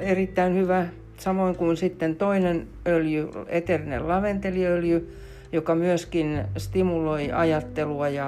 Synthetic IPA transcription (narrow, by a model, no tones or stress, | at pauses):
erit̪ːæinhyʋæ | sɑmoiŋkunsit̪ːent̪oinen | øljyet̪erinḛllɑʋent̪eliøljy | jokɑmyøskinst̪imuloiɑjɑt̪ːeluɑjɑ